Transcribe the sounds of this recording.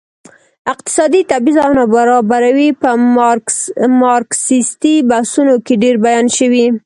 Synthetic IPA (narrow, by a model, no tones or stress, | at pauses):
ɪq̚t̪ɪ̥sɑd̪it̪abizawnabaɾɑbaɾawipə | mɑɾksist̪ibahsunokeɖeɾbajɑnʃəwi